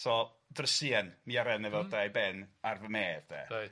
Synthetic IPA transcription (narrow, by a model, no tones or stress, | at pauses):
sɔl | drəsiɛnmiaɾɛnɛvɛlˠdajbɛnarvəmɛːvðɛ̰